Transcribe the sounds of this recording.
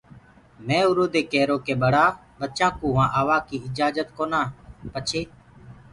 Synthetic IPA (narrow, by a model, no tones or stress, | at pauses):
mɛ̃ːʊɾoːd̪eːkɛːɾoːkeːɓəɽaː | ɓət̪t͡ʃãːkũːɦʊãːʔaːʋaːkiːɪd͡ʒaːd͡ʒət̪koːnãːpət͡ʃʰeː